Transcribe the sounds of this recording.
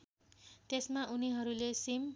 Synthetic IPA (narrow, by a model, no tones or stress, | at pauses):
t̪esmaʔuniɦʌɾulesim